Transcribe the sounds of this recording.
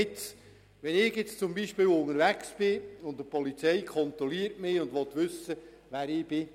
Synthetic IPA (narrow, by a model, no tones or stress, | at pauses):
ɪt͡s | ʋɛnɪɡjɪt͡st͡sʊmbiʃpiːwʊŋəɾʋæksb̥ɪʊndəpɔlit͡sɛjkʰχɔnt̪ɾɔliːəɾtmɪʊndʋɔt̪ʋʏsə | ʋæːɾɪːb̥ɪ